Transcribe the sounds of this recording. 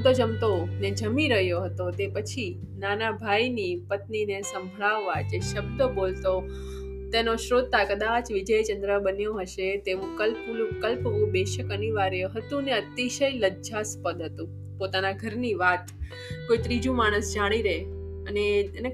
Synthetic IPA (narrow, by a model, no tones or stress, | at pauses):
t̪od͡ʒəmt̪oned͡ʒəmiɾəɦjoɦət̪ot̪epət͡ʃʰi | nanabʱajnipət̪ninesə̃mbʱɭaʋːad͡ʒeʃəbd̪əbolt̪o | t̪enoʃɾod̪̚t̪ʰakəd̪at͡ʃʋɪd͡ʒəjt͡ʃənd̪ɾəbənjoɦəʃet̪eʋũkəlplũkəlpʋũbeʃəkəniʋaɾjeɦət̪ũneət̪iʃəjləd͡ʒd͡ʒaspəd̪ɦət̪ũ | pot̪anaɡʱəɾniʋat̪ | koit̪ɾid͡ʒũmaɽ̃əsd͡ʒaɽ̃iɾee | ənene